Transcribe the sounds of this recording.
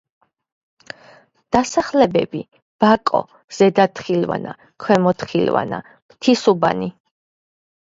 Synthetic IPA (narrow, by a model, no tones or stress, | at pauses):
d̪̥asaχlɛbɛbi | b̥akʼɔ̰ | z̥ɛd̪at̪ʰχilva̰na̰ | kʰwɛmɔt̪ʰχilva̰na̰ | mt̪ʰisuba̰ni